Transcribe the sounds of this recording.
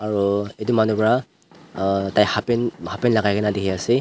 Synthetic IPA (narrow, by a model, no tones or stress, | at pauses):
aɹuedumanupɹa | tajhapɛnhapɛnlaɡajkʰɛnadiɦiasi